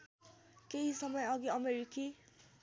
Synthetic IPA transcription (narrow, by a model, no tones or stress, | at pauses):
keɦisʌmʌjʌɡiʌmeɾiki